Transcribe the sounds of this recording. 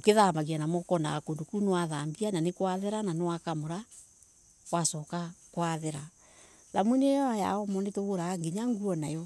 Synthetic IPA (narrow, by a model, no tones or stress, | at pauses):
okeðamaɣianamɔkɔna̰ɣakoːndokunewaðambiananekwaðɛɾananewakamoɾa | wasɔkakwaðɛɾa | ðamwenejɔaja̰ɔmɔnetoɣoɾaŋɡiɲaŋɡuɔnajɔ